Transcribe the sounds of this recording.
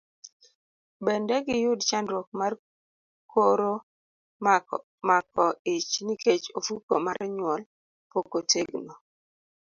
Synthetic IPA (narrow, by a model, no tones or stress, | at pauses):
bɛndɛɡɪjʊdt͡ʃandɾɔk̚mar | kʰoɾo | mak̚ɔɪt͡ʃniket͡ʃofukomaɾɲwɔl | pokoteɡnɔ